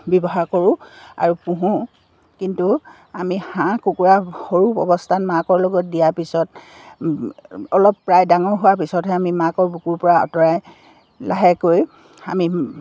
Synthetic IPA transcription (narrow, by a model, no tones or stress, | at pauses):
bɔbɔɦaɹkoɹʊ̃a̰ɹupũɦũ | kintu | amihãkukuɹaxoɹupɔ̰bɔstʰanmãkɔɹlɔɡɔt̚dijapisɔt | ɔlɔpːɹajdaŋɔɹɦʊwapisɔtɦɛamimãkɔɹbukuɹpɔɹaɔ̰tɔɹaj | laɦɛkoj | a̰mi